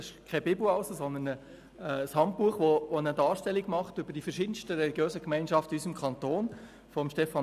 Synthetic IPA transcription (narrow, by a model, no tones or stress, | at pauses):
ɪʃkʰɛbɪbuɑʊsosɔnd̪ənəː | shɑnt̚puːəχʋoʋoənədɑːʃtɛlːiɡmɑχtʏbəɾd̥ifɛɾʃiːd̥ən̩stəɾɛliɡ̥jøːzəkmæɪnʃɑftəysəmkʰɑntoːn | fɔmʃtɛfɑn